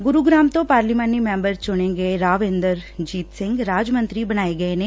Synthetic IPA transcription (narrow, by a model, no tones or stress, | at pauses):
ɡʊɾuːɡɾaːmt̪õːpaːɾliːmaːniːmɛ̃ːmbəɾt͡ʃʊɽ̃ẽːɡeeɾaːʋẽːnd̪əɾd͡ʒiːt̪sɪ̃ŋɡɾaːd͡ʒmə̃nt̪ɾiːbəɽ̃aːeɡəeneː